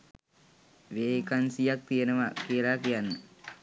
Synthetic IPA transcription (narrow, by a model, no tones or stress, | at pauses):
ʋeːkɐnsijak̚t̪ijenɐʋakiɐlakijanːə